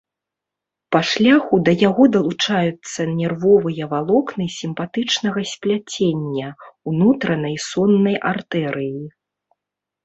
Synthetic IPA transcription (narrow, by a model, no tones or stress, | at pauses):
pɐʂlʲaxud̪ɐjaɣɔd̪ɐlˠut͡ʂajut̪sːɐnʲɛrvɔvɨjɐvalˠɔknɨsʲimpat̪ɨt͡ʂnɐɣɐsʲpʲlʲat͡sʲenʲːɐunut̪ɾɐnɐjsɔnːɐjʔart̪ɛɾɨji